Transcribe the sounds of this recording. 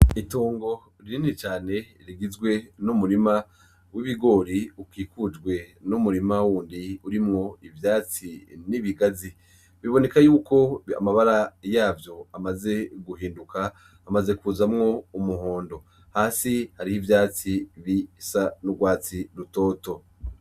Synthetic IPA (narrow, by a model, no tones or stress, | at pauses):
itoːŋɡo̞ | ɾiɾinit͡ʃaːne̞ | ɾiɡizɡwe̞numuɾima | wiβiɡo̞ːɾiukiːkud͡ʒɡwe̞numuɾimawuːndiuɾimŋo̞ivjaːt͡siniβiɡazi | βiβo̞ne̞kajuːko̞a̰maβaɾajaːvjo̞amaze̞ɡuhiːndukʰaː | maze̞kuzamŋo̞umuɦoːndo̞ | haːsihaɾihivjaːt͡siβisanuɡwaːt͡siɾuto̞ːto̞